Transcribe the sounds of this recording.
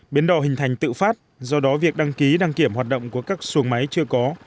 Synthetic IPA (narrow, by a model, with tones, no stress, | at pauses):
ɓi˨˦nɗɔ˨˩ɦï˨˩ŋ̟t̪ʰa˨˩jŋ̟t̪ɨ̰˧˨faː˦˥t̚ | zɔ˧ɗɔ˨˦vi˨˩ək̚ɗa˧ŋki˨˦ɗa˧ŋki˧˩əmhwaː˨˩t̚ɗə̰˧˨wŋ͡mku˧˩əkaː˦˥k̚su˨˦əŋma˨˦jt͡ɕɨ˧əkɔ˨˦